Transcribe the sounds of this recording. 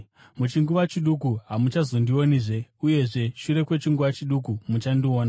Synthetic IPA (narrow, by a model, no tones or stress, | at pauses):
mut͡ʃiŋɡuʋat͡ʃiɗukuɦamut͡ʃazo̞ndio̞niʐe̞uje̞ʐe̞ʃuɾe̞kwe̞t͡ʃiŋɡuʋat͡ʃiɗukumut͡ʃandio̞ːna